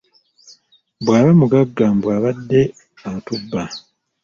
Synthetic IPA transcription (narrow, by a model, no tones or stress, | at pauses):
bwaːβamuɡaɡːambwaːβadːe̞ | atubːa